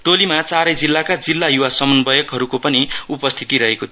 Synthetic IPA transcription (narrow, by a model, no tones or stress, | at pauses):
ʈolimat͡saɾʌjd͡zilːakad͡zilːajuwasʌmʌnbʌjʌkɦʌɾukopʌniupʌst̪ʰit̪iɾʌɦekot̪ʰ